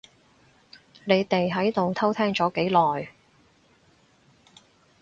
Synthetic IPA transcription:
ne˨˧jt̪e˨jɦɐ˨˥jt̪o˨wt̪ʰɐ˥wt̪ʰɛː˥ŋt͡ʃɔː˨˥ke˨˥jlɔː˨˩j

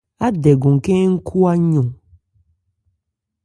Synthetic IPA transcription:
a˦dɛ˨ɡɔ̃˨ŋ˨kɛ̃˦ŋ̩˦kʰu˦a˦ɲɔ̃˨

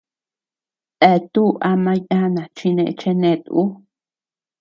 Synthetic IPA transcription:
t̪e˧˨t̪u˦ʔa˧mã˧ja˦nã˨t͡ʃi˧nẽ˧ʔt͡ʃe˧nẽ˧t̪u˦

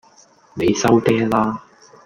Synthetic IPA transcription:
ne˨˧jsɐ˥wt̪ɛː˥laː˥

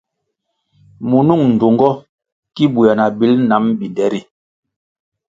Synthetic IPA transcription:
mu˨nu˦˨ŋn̩˨do˨ŋɡɔ˦ | ki˦bu˨ja˨na˨bi˨˦lna˨˦mbi˨dɛ˨˦ɾi˨

